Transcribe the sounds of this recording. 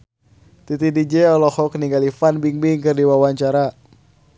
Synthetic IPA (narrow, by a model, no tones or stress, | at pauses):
t̪it̪idid͡ʒɛɔlɔhɔkniŋɡalifanbiŋbiŋkɨrdiwawaɲt͡ʃaɾa